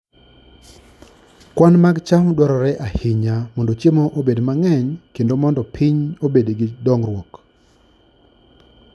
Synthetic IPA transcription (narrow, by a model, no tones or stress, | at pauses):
kwanmaɡt͡ʃamdwɔɾɔɾɛʔahɪɲamɔndot͡ʃemoʔobedmaŋɛɲkendomɔndɔpʰɪɲobedɡɪdɔŋrwɔk